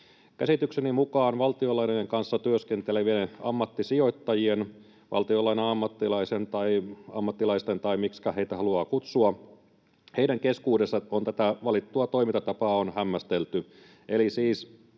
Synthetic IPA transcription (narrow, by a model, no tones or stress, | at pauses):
kæsit̪yksenimukɑːnʋɑlt̪iolɑinejeŋkɑnsːɑt̪yøskent̪eleʋieɑ̰mːɑt̪ːisio̞it̪ːɑjien | ʋʔɑ̰lt̪iolɑineɑmːɑt̪ːilɑisent̪ɑiɑ̰mːɑt̪ːilɑist̪ent̪ɑimikskæheit̪æhɑluɑːkut̪suɑ | heiɾæŋkeskuːdesːɑont̪æt̪æʋɑlit̪ːuɑt̪o̞imint̪ɑt̪ɑpɑːonhæmːæst̪elt̪y | ʔelisiːs